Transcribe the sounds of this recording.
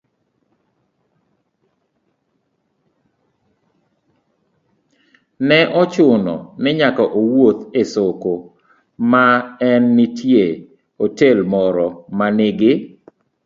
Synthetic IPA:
nɛʔɔt͡ʃʊnɔ̰mɪɲakɔʔowot̪esoko | maɛnːitje | otelmɔɾɔmanɪɡɪ

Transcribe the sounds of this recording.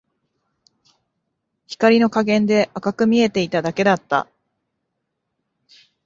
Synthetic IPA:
çi̥kaɾʲino̞kaɡẽ̞nd̪e̞ʔakakɯ̟mʲie̞t̪e̞it̪ad̪ake̞d̪at̪ːa̰

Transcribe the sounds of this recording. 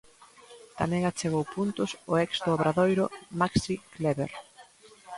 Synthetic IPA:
t̪amɛ̃ŋat͡ʃeɣowpunt̪ʊsʊɛksd̪ʊaβɾaðojɾʊmaksikleβeɾ

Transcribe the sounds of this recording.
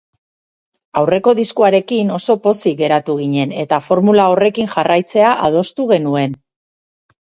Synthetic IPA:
awre̞ko̞ðiskuaɾe̞kino̞so̞po̞siɡe̞ɾat̪uɣ̞iɲe̞ne̞t̪afo̞ɾmulao̞re̞kinʝarajt͡se̞aʔað̞o̞st̪uɣ̞e̞nue̞n

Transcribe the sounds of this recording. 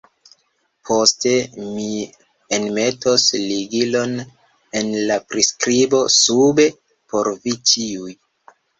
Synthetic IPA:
pʰo̞ste̞mi | enme̞tʰosliɡilo̞n | e̞nlapɾiskɾibo̞sube̞ | pʰo̞ɾvit͡ʃiuj

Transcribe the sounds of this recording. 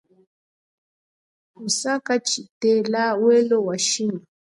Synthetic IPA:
usakat͡ʃitɛlawɛlɔwaʃina

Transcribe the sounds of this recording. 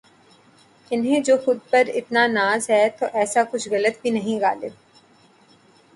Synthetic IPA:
ɪnɦẽd͡ʒoːxʊd̪̚pɐɾɪ̰t̪nanaːzɦɛːt̪oʔɛːsakʊt͡ʃʰɣɐlət̪̚bʱinɐɦĩɣa̰ːlɪb

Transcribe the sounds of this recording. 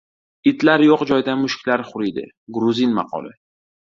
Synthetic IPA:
ɪt̪laɾjɒqd͡ʒɒjd̪amʊʃkʲlaɾχʊɾid̪ɪ̰ | ɡɾʊzinmɑ̰qʰɒ̰lˠɪ

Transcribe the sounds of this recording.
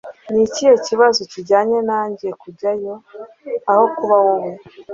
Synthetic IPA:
nicijo̞ciβazociɟaːɲe̞naːɲɟijekuɟajo̞ | aho̞kuβawowo

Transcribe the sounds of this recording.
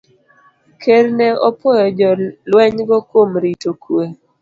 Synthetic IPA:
kʰeɾnɛɔpɔjɔd͡ʒɔlwɛɲɡɔkwomɾitokʰwe

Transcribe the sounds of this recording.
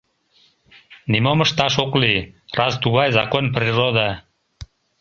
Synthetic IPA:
nimoməʃt̪ɑʃoklirɑzt̪uɣɑjzɑkonp̬rirod̪ɑ

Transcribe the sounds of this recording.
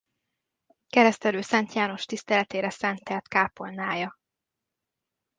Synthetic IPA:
kɛɾɛst̪ɛløːsɛnt̪jaːno̞ʃt̪ist̪ɛlɛt̪eːɾɛsɛnt̪ɛlt̪kaːpo̞lnaːjɒ

